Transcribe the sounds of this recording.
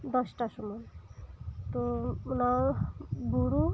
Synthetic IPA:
d̪ɔsʈasɔmɔj | t̪ona | buɾu

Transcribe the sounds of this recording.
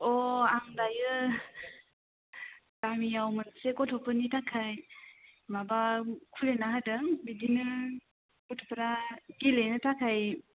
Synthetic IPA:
ɔaŋdajɯ | tamijawmɯnsekɔtʰɔpɯnitʰakʰaj | mabakʰuɾenaɦadɯŋbidinɯ | kɔtʰɔpɾaɡilenɯtʰakʰaj

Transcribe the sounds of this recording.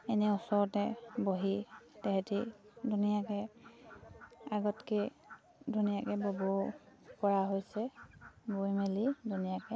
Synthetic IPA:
ɛnɛusɔɹɔtɛboɦitɛɦɛtidʱunijakɛ | aɡɔtke | dʱunijakɛbobɔpɔɹaɦojsɛbujmelidʱunijakɛ

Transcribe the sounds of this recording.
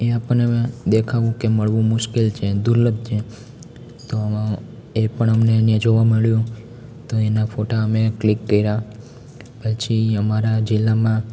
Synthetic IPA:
eapəɳed̪ekʰaʋũkeməɭʋũmʊʃkelt͡ʃʰed̪uɾlət̪̚t͡ʃʰe | t̪o | epəɳəmneənjãd͡ʒoʋaməɭjũ | t̪oenafʰoʈaəmeklikːəiɾa | pət͡ʃʰiəmaɾad͡ʒilːamã

